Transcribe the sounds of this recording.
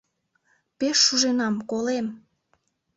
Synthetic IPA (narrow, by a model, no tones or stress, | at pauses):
peʃːuʒenɑmkolem